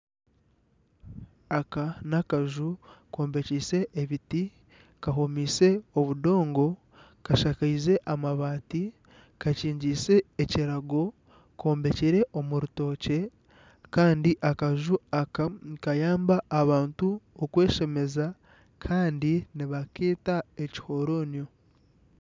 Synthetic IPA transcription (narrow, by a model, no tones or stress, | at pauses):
akanakaʒuko̞ːmbe̞ciːse̞ʔːβiti | kaɦomiːse̞oβudo̞ːŋɡo̞ | kaʃakaize̞ʔamaβaːti | kaciːɲɟiːse̞ːciɾaɡo̞ | kʰo̞ːmbe̞ciɾe̞ʔo̞muɾuto̞ːce̞ | kaːndiʔakaʒu | kajaːmbaːβaːntuokwe̞ːʃe̞me̞za | kʰaːndiniβakeːtaeci̥ho̞ɾo̞ːnjo